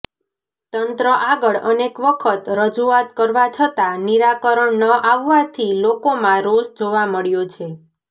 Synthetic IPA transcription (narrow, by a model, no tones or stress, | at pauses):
t̪ənt̪ɾəʔaɡəɭənekʋəkʰət̪ɾəd͡ʒuat̪kəɾʋat͡ʃʰət̪aniɾakəɾəɳnəʔaʋːat̪ʰilokomãɾoʃd͡ʒoʋaməɭjot͡ʃʰe